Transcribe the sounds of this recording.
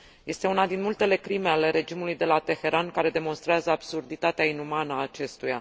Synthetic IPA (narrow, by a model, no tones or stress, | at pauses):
je̞st̪e̞unad̪inmult̪e̞le̞kɾime̞ale̞ɾe̞d͡ʒimulujd̪e̞lat̪e̞xe̞ɾankaɾe̞d̪e̞mo̞nst̪ɾeazəab̥surd̪it̪at̪eainumanəaːt͡ʃe̞st̪uja̰